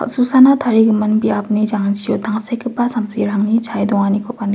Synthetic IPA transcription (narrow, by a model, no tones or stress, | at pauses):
a̰k̚susanatʰaɾiɡɯmɐnbiap̚nid͡ʒaŋansijɔtʰaŋsejkʰɯpasamziɾaŋnit͡ʃʰajdɔŋanikʰɔpan